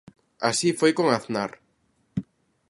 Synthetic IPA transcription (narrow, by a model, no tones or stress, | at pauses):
a̰sifojkoŋaθnaɾ